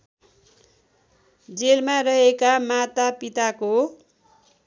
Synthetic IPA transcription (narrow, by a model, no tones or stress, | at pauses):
d͡zelmarʌɦekamat̪apit̪ako